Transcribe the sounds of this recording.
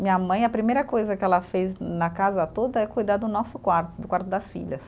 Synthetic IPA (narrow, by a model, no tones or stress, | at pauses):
mĩɲɐmɐ̃j̃ɐpɾimejɾɐkojzɐkɪɛlɐfejznɐkazɐt̪od̪ɐɛkujd̪ad̪ʊnɔsʊkwaɾt̪ʊd̪ʊkwaɾt̪ʊd̪ɐsfḭʎɐs